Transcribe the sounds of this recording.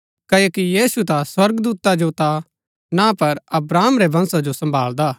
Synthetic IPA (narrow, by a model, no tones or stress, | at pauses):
kɐokijiːsut̪aswɐɾɡd̪uːt̪ad͡ʒot̪a | napɐɾɐbɾaːmɾebʱɐ̃nsad͡ʒosɐ̃mbʱaːld̪aː